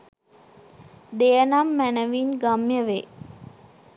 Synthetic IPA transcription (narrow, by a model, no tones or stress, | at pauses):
d̪ejənamːænəʋinɡamjəʋe